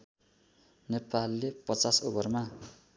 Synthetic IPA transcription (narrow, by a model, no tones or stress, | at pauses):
nepalːepʌt͡sasobʌrma